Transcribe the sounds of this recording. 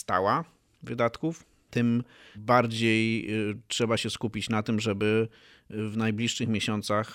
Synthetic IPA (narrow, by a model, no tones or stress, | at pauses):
st̪a̰wa | vɘd̪at̪kuf | t̪ɘmbaɾd͡ʑejtʂɛbaɕɛskupʲit͡ɕnat̪ɘmʐɛbɘ | vnajblʲiʂːɘxmʲeɕɔnt̪sax